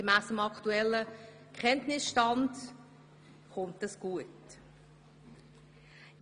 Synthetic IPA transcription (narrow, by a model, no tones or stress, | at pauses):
əmæːsəmɑktuɛlːə | kχɛntnɪsʃtɑnd | χʊntəsɡ̥uət